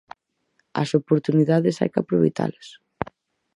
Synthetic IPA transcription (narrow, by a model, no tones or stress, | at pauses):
ɐ̰sopoɾt̪uniðaðɪsa̰jkapɾoβḛjt̪a̰lɐs